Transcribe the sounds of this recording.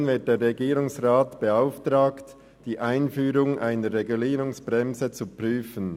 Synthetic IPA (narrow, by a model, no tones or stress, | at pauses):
nvɪt̚d̥eːɾʁeɡiːɾʊŋsʁaːtb̥əaʊftʁaːkt | d̥iːʔaɪnfyːɾʊŋʔaɪnəɾːeɡuliːɾʊŋsb̥ʁɛmzət͡supryːfən